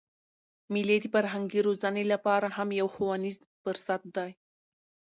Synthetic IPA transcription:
miled̪əfaɾɦaŋɡiɾozanelapɑɾahamjawxuwaniz | pəɾsat̪̚d̪ɑj

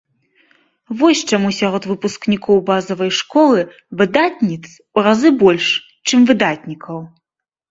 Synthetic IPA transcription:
vɔsʲt͡ʂamusʲaɾɔt̪vɨpusknʲikʰɔwbazɐvɐjʂkɔlˠɨ | vɨd̪at̪ʲnʲit̪s | uɾazɨbɔlʲʂ | t͡ʂɨmvɨd̪at̪̚ʲnʲikʰɐw

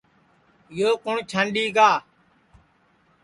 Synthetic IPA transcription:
ɪjoːkʊɳt͡ʃʰaɳɗiːɡaː

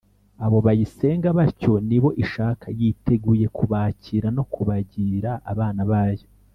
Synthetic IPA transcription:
aβo̞βajise̞ːŋɡaβaco̞niβo̞ʔiʃaːkʰajitʰe̞ɡuːje̞kuβaːciːɾano̞kʰuβaɟiːɾaʔːβaːnaβaːjo

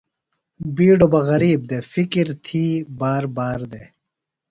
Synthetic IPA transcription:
biːɖobɐɣɐɾiːb̚d̪eːfikiɾt̪ʰiːbaːɾbaːɾd̪eː

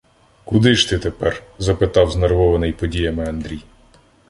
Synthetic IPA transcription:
kʊd̪ɪʃt̪ɪt̪epɛrzɐpɪt̪ɑwznerʋɔʋɐnɪjpɔdʲijɐmɪɐnd̪ɾʲij

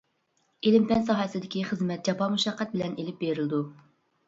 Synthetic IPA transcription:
elɪmpɛnsɑɦɑsɨd̪ɪkʲʰiχəzmɛt̪̚d͡ʒɑpɑmuʃɑqːɛt̪̚bɪlɛnelɪp̚beɾɪld̪u

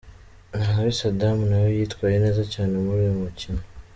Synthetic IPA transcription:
naβisadamunawojiːtwaːjene̞ːzacaːne̞muɾijomucino

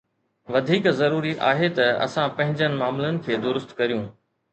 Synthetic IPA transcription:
ʋɐd̪ʱiːkzɐɾuːɾiʔa̰ːɦet̪ɐɐ̰sãpɐ̃ɦɪ̃ɲd͡ʑənɪ̆maːmlənɪ̆kʰeːd̪ʊɾʊst̪kɐɾijũː

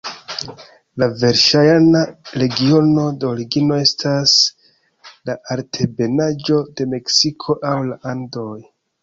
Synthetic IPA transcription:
lave̞ɾʃajanaɾe̞ɡio̞no̞deoɾiɡino̞e̞stʰas | laʔaɾtʰe̞be̞nad͡ʒo̞de̞me̞ksikʰo̞ʔawlaʔandoj

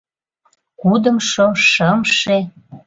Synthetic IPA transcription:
kud̪ə̆mʃoʃəmʃe

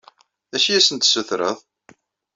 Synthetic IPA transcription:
æʃijæsənt̪səθɾə̰ðˤ

